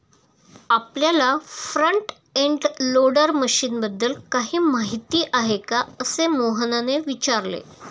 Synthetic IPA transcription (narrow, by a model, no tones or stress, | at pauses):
apljalafɾəɳʈ | eɳʈloɽəɾməɕiːnbəd̪ːəlkaɦiːmaɦit̪iːʔaɦekaəsemoɦənaneʋit͡ɕaɾlḛ